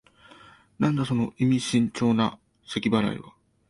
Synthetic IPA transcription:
nãnd̪aso̞no̞ʔimʲiɕĩɲt͡ɕo̞ːna | sekʲibaɾa̰ḭβa

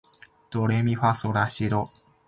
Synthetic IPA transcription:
d̪̥oɾemʲiɸasoɾaɕiɾo

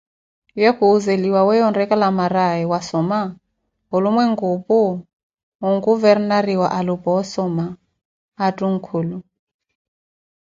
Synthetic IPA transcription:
jɛhuːzeliwawɛjɔndɛkʼalamaɾaɛwasɔma | ɦʊlumwɛŋɡupʼuː | ŋɡuvɛrnaɾiwaʔalupʼɔɔsɔmaː | tʼuŋ̩kʰuːlu

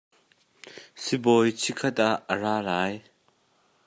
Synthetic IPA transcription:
sibɔjt͡sʰikʰɐt̪aʔːəraːlaːj

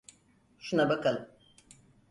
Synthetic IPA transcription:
ʃunabakʰalˠɯm

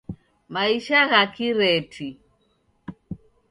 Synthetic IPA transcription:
maiʃaɣakiɾɛtʰi

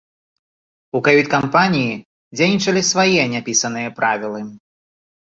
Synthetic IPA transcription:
ukajʲut͡sʲkampanʲiji | d͡zʲejnʲit͡ʂɐlʲisvajɛnʲapʲisɐnɨjɐpɾavʲilˠɨ

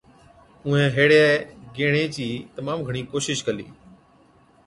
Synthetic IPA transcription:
ʊ̃ẽːɦeːɽaɡeːɽ̃eːt͡ɕiːt̪əmaːmɡʱəɽ̃iːkoːʃɪʃkəlḭː

